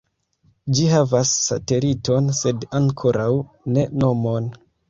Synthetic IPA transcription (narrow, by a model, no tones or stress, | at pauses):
d͡ʒihavasːa̰te̞lito̞nse̞daŋkʰo̞ɾawne̞no̞mo̞n